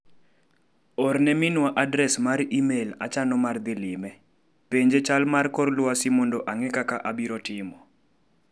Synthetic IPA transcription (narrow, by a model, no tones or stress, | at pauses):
ɔrnɛmɪnwaʔadɾɛsmarimela̰t͡ʃanɔmard̪ɪlɪmɛ | peɲd͡ʒet͡ʃalmarkɔrlwasɪmɔndɔʔaŋɛkakaʔabiɾɔtɪmɔ